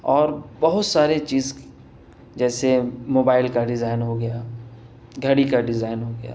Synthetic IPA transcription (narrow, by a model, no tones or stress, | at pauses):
ɔːɾbɐɦʊt̪saːɾet͡ʃiːz | d͡ʒɛːsemoːbaːɪlkaɖɪzaːɪnɦoɡɐja | ɡʱɐɽikaɖɪzaːɪnɦoɡɐja̰ː